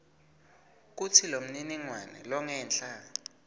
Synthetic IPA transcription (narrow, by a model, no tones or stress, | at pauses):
k̬ut͡sʰilom̩niniŋwanɛ̰lɔŋɛːnɬa